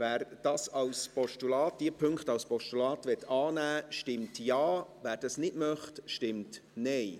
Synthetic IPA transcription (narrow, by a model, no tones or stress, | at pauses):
væːɾd̥ɑːsɑwspɔʃtulɑːt̚d̥iəpʰʏŋktɑwspɔʃtulɑːtʋɛtʰːɑːnæːʃtɪmtjɑːvæːɾd̥ɑsnɪdmœχtʃtɪmtnɛɪ